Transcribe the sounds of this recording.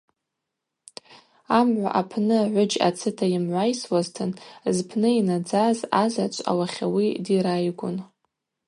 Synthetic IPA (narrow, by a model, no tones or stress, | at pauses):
amʕʷa̰ʔapʰnɨʕʷʊd͡ʒa̰t͡sʰɨtʰajɪmʕʷajswaztʰɨnzpʰnɨinad͡zazazat͡ʃʷʰʼa̰waχʲawidiɾajɡʷʊn